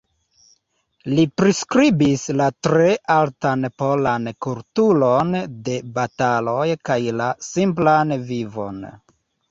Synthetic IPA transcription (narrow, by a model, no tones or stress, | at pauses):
lipɾiskɾibislatɾe̞ʔaltanpo̞lankultulonde̞batalo̞jkajlasimplanvivo̞̰n